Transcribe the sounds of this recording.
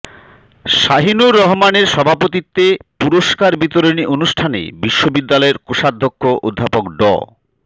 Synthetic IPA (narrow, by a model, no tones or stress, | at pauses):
ʃaɦinuɾːɔɦmaneɾʃɔbʱapot̪it̪ːepuɾoʃkaɾbit̪oɾiniʔonuʃʈʰanḛbiʃːobid̪ːalɔeɾkoʃad̪ʱːokʰːoʔod̪ʱːapokɖɔ̰